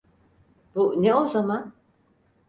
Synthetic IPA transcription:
b̥uneo̞zaman

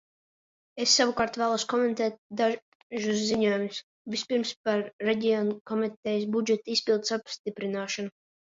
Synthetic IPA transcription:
esːavukaːɾt̪væːlˠɔskɔment̪ɛːt̪̚d̪a | ʒus̬ːiɲuɔjumʲus | vispiɾmspaɾːeɟʲiɔːnkɔmit̪ɛjs̬bud͡ʒɛt̪aispilˠd̪sapst̪ipɾinaːʃanu

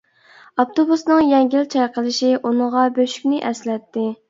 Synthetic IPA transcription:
ɑp̚t̪obusnɨŋjɛŋɡʲilt͡ʃʰɑjqəlˠɨʃiʔunɨʁɑbøʃy̥kʲnɪʔɛslɛt̪ʰːɪ

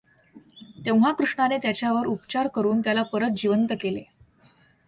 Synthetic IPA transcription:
t̪eʋɦakɾuʂɳanet̪jat͡ɕjaʋəɾupt͡ɕaɾkəɾuːnt̪jalapəɾət̪̚d͡ʑiʋənt̪əkelḛ

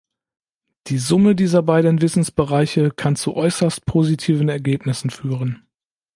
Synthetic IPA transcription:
d̥iːzʊmədiːzɐbaɪdn̩vɪsn̩sb̥əʁaɪçəkʰant͡suʔɔʏsɐst̚pʰoːzitʰiːvn̩ɛɐɡeːpnɪsn̩fyːʁən

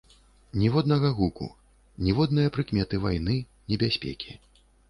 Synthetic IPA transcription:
nʲɛvɔd̪nɐɣɐɣukṵ | nʲɛvɔd̪nɨjɐpɾɨkmʲɛt̪ɨvajnɨ | nʲɛbʲasʲpʲɛ̰kʲi̥

